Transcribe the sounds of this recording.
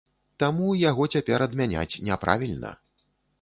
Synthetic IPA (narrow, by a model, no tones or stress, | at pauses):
t̪amujaɣɔt͡sʲapʲɛɾɐd̪mʲanʲa̰t͡sʲnʲɛpɾa̰vʲilʲnɐ̰